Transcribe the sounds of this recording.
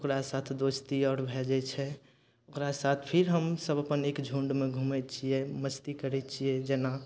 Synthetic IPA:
okɾasat̪ʰd̪oːst̪iɔːɾbʱɛd͡ʒɛt͡ʃʰɛ | okɾasaːt̪ʰpʰɪɾɦəmsəbəpəneːkd͡ʒʱũɳɖmẽɡʱumɛt͡ʃʰiɛməst̪ikəɾɛt͡ʃʰiɛd͡ʒɛna

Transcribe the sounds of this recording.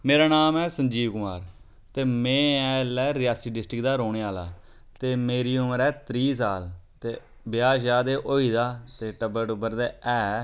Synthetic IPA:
meːɾaːnaːmɛːsəɲd͡ʒiːʋkʊmaːɾ | t̪eːmɛ̃ːɛ̃ːlɛːɾɪjaːsiːɖɪsʈɾɪkd̪aːɾoːɽ̃eːaːla̰ː | t̪eːmeːɾiːʊməɾɛːt̪ɾiːs̬aːlt̪eː | bɪjaːʃaːd̪eːʔoːiːd̪aːt̪eːʈəbəʈʊbəɾd̪eːɛː

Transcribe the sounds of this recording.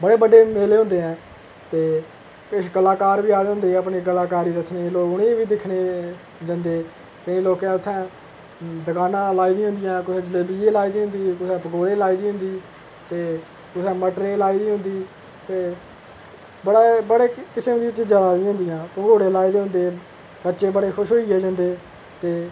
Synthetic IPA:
bəɽeːbəɖeːmeːleːɦʊ̃nd̪eːɛ̃ː | t̪eː | kɪʃkəlaːkaːɾbiːaːd̪eːɦʊ̃nd̪eːaːpɳeːkəlaːkaːɾiːd̪əsneːloːɡʊɽeːʋiːd̪ɪkʰɽeː | d͡ʒə̃nd̪eː | kəĩːloːkɛ̃ːʊt̪ʰːɛ̃ː | d̪əkaːnãːlaːiːd̪ĩːɦʊ̃nd̪ɪjãːkʊsɛ̃ːd͡ʒəleːbiːẽːlaːiːd̪iːɦʊnd̪iːkʊsɛ̃ːpəɡoːɽeːlaːiːd̪iːɦʊ̃nd̪iː | t̪eː | kʊsɛ̃ːməʈɾeːlaːiːd̪iːɦʊnd̪iː | t̪eː | bəɽaːbəɽeːkɪsmd̪iːt͡ʃɪd͡ʒãːlaːd̪ĩɦʊ̃nd̪ɪjãːpə̃ɡoːɽẽːlaːiːd̪eːɦʊ̃nd̪eː | bətːʃeːbəɽeːxʰʊʃɦoːieːd͡ʒãːnd̪eː | t̪eː

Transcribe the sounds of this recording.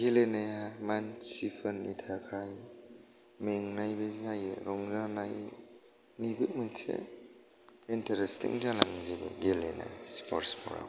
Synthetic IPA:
ɡelenajamansipʰɯnitʰakʰaj | meŋnajbeznaj̰ɾɔŋzanaj | nibɯk̚mɯnsḛ | intaɾestʰḭŋzanaŋzibɯ̰ɡelena̰jspʰɔɾspɔ̰ɾa̰

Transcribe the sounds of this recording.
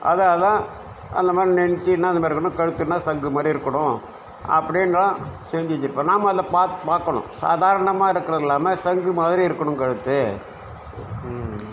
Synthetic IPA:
ʔɐ̰ðaðãː | ʔɐ̰nd̪ɐmaːdɾinɛnɪt͡ʃːinːaːɐnd̪ɐmːɾɯkːɐɳʊ̃kɐɻɯt̪ːɯnːaːsɐŋɡɯmaːðɾiɪɾɯkːɐɳʊ̃ | ɐ̰pːɐɽɪnlãsɛːɲd͡ʒɪɪt͡ʃːɪɾɯpːãːnaːmɐːðɪlɐpaːpaːɾkɐɳʊ̰̃sa̰ːðaːɾɐɳɐmaːɪɾɯkːɯɾɐðɪlːaːmɐsɐŋɡɯmaːðɪɾiɪɾɯkːɐɳɯ̃mkɐɻɯt̪ːɯ

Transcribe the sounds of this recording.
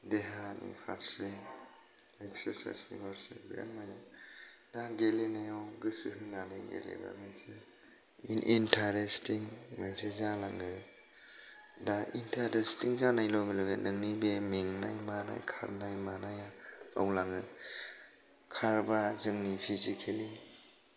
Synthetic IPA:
deɦanḭpʰa̰ɾse | ekseɾsa̰jsnḭbaɾsḛbea̰nmajnadaɡelenajawɡɯsɯɦɯnaniɡḛlḛba̰minse | inʔintʰaɾestiŋminsezalaŋɡɯ | daʔintʰaɾestiŋzanajlɔmilɔɡḛnʔɯŋnibemiŋna̰jmana̰jkʰa̰ɾnajmanajaa̰wlaŋɯ | kʰaɾbazɯŋnipʰizikʰeli

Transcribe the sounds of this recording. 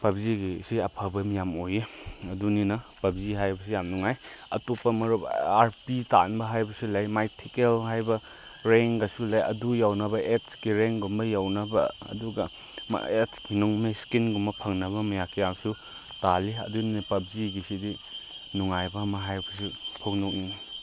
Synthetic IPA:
pɐbziɡisiɐpʰɐbɐmijamojeɐduninɐpɐb̚ziɦajbɐs̬ijamnuŋajɐ̰topːɐmɐɾubaɾpita̰nbɐɦajbɐsulɐjmajtʰikelɦajbɐ | ɾeŋɡɐsulajɐ̰dujawnɐbɐetskiɾeŋɡumbɐjawnɐbɐɐ̰duɡɐ | m̰etʰkinɔŋmeskinɡumbɐpʰɐŋnɐβɐmɐjakʰijamsu | taliɐ̰duninɐpɐb̚ziɡisidi | nuŋajbɐmɐɦajbɐsipʰoknɔk̚nini

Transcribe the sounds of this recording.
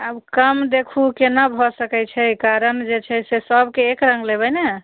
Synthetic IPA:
əbkəmd̪ekʰukenabʱɔsəkɛt͡ʃʰɛkaɾənd͡ʒet͡ʃʰɛsesəbkeːkɾəŋɡlebɛne

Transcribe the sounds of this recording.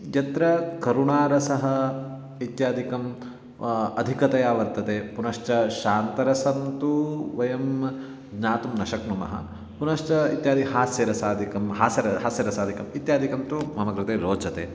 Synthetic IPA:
jɐt̪ɾɐkɐɾuɳaːɾɐsɐɦɐ | it̪jaːd̪ʱikɐm | ɐd̪ʱikɐt̪ɐjaːʋɐɾt̪ɐt̪eːpunɐʃt͡ʃɐʃaːnt̪ɐɾɐsɐnt̪uʋɐjɐm | d͡ʒɲaːt̪umnɐʃɐknumɐ̰ɦɐ̰ | punɐʂt͡ʃɐḭt̪jaːd̪iɦaːsjɐɾɐsaːd̪ʱikɐmɦaːsjɐɾɐɦaːsjɐɾɐsaːd̪ʱikɐmit̪jaːd̪ʱikɐnt̪umɐmɐɡɾɐt̪eːɾoːd͡ʒɐt̪ḛː

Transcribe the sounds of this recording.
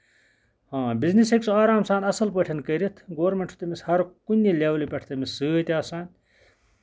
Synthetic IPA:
hãːbizniseksuaːɾaːmsaːnɐsɐlpəʈʰɐnkɐɾit̪ʰɡoːɾmeɳʈʰu̥t̪emishɐɾkunʲːilʲeːwlipʲɐʈʰt̪ɐmisːɨːt̪ʲaːsaːnʲ

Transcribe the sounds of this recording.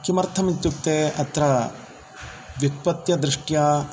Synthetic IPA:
kimɐɾt̪ʰɐmit̪jukt̪eːɐt̪ɾɐ | ʋjut̪̚pɐt̪jɐd̪ɾɪʂʈjaː

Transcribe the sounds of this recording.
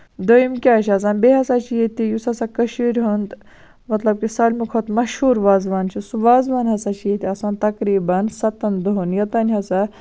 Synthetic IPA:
d̪ojimkʲaːt͡ʃʰɐs̬aːnbeɦɐsaːt͡ʃʰijet̪ijusɐsakɐʃiɾʲɦund̪ | mɐt̪lɐb̚kisɐlʲmukʰɐt̪mɐʃhuːɾʋaːzʋaːnt͡ʃʰisuʋaːzʋaːnɦɐsat͡ʃʰijet̪iɐsaːnt̪ɐkɾiːbɐnsɐt̪ɐnd̪oɦunjɐt̪ɐːnʲɦɐsa

